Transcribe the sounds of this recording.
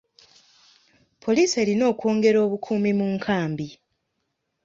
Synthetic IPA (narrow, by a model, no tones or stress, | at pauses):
pʰo̞liːse̞ːlino̞ːkwo̞ːŋɡe̞ɾo̞ːβukʰuːmimuːŋkʰaːmbi